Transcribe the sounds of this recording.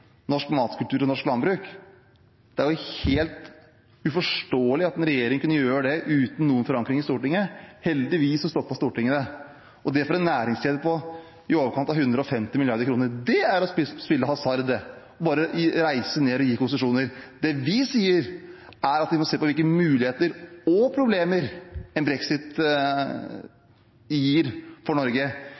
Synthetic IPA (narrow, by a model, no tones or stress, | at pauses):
nɔʂkmɑːt̪kʉlt̪ʉːɾɔnɔʂklɑnbɾʉːk | d̪̥ɛæɾjʊheːlt̪ | ʉfɔʂʈoːəlɪɑt̪ɛnɾɛjeːɾɪŋəkʉnːəjøːɾəd̪ɛʔʉːt̪n̩nuːənfɔɾɑŋkɾɪŋɪst̪uːʈɪŋːəhɛld̪ɪʋiːsɔst̪oːpɔst̪uːʈɪŋːənə | ɔd̪ɛfɔɾɛnːæːɾɪŋst̪eːd̪əpʰɔ | ɪoːʋəɾkʰɑnt̪ɑʋhʉnd̪ɾəɔfɛmt̪ɪmɪlɪjɑɾd̪əɾkʰɾuːnəɾd̪ɛæɾɔɪspɪlːəhɑsɑɾd̪ɛ | ɔbɑːɾəɾæɪsəneːɔjiːkʊnsəʂuːnəɾd̪̥ɛʋɪsiːəɾ | æɾɑt̪ʋɪmɔseːpɔʋɪlkəmʉːlɪheːt̪əɾɔpʰɾʊbleːməɾɛnbɾɛksɪt̪ | jiːɾfɔɳɔɾɡə